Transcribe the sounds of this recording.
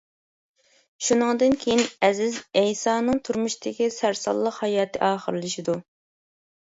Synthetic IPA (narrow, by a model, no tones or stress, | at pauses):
ʃunɨŋd̪ɨnkʲʰejinɛzɪzɛjsɑːnɨŋt̪ʰuɾmuʃit̪ɪkʲisæɾsɑ̰lˠːəqhɑjɑːt̪ʰɨʔɑːχəɾlˠɨʃid̪u